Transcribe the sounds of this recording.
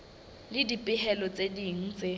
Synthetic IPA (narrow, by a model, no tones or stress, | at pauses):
lɪdipʼɪɦɛlɔt͡sʼediŋ̩t͡sʼɪ